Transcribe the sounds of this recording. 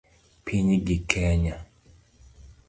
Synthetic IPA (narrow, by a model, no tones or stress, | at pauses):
pʰiɲiɡikʰɛɲa